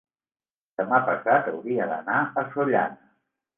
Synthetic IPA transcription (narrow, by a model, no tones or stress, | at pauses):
d̪̥əmapəsat̪ə̰wðiəðə̰naəsoʎa̰nə